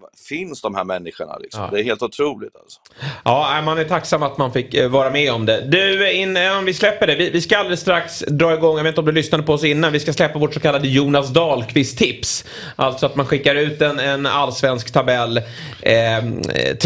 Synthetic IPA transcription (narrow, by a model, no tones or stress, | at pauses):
fɪnsd̪ɔmhæ̰ɾmɛnːɪɧəɳa̰lɪ̰ksɔ̰md̪ɛæɾheːlt̪ʊt̪ʰɾuːlɪɡ̚t̪ʰa̰lsɔ̥ | ɑːæɪmanæʈʰaksamːat̪manfɪkːvɑːɾamɛɔmd̪ɛd̪ɵɪnːɛɔmvɪslɛpːəɖɛvɪvɪskaald̪ɾɪst̪ɾaksd̪ɾɑːɪɡɔŋːjavet̪nɔmd̪ɵlʏsnad̪əpʰɔɔsɪnːanvɪskaslɛpːavoːʈsɔkʰalːad̪əjuːnasd̪ɑːlkʰvɪst̪ʰːɪps | ʔalt̪sɔat̪manɧɪkːaɾʉ̟ːt̪ɛnɛna̰lːsvɛnskt̪ʰabɛlː | t̪